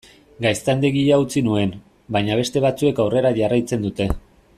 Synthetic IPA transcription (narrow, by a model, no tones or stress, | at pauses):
ɡajst̪and̪eɣiaut͡sinue̞n | bajɲaβ̞e̞st̪e̞β̞at͡sue̞kawre̞ɾaʝarajt͡se̞nd̪ut̪e̞